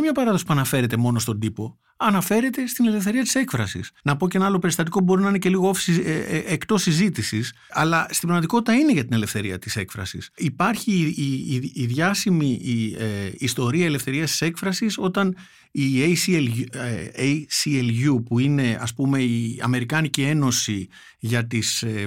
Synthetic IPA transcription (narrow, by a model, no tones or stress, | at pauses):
mɲɐpɐɾɐðosipuɐnɐfe̞ɾe̞t̪e̞mo̞no̞st̪o̞nd̪ipo̞ | ɐnɐfe̞ɾe̞t̪e̞st̪ine̞le̞fθe̞ɾiɐt̪i̥se̞kfɾɐsḭsnɐpo̞ceenɐɐlo̞pe̞ɾist̪ɐt̪̬ikobo̞ɾinɐinece̞liɣoofi̥siekt̪o̞sizit̪isis | ɐlɐst̪ibɾɐmɐt̪iko̞t̪i̥t̪ɐine̞ʝɐt̪inele̞fθe̞ɾiɐt̪i̥se̞kfɾɐ̰sḭsipɐɾçiː | ðʝɐsimieist̪o̞ɾiɐele̞fθe̞ɾiɐst̪i̥se̞kfɾɐsiso̞t̪ɐn | iejsleejsielʝupuine̞ɐ̰spume̞iɐ̰me̞ɾikɐnicie̞no̞si | ʝɐt̪is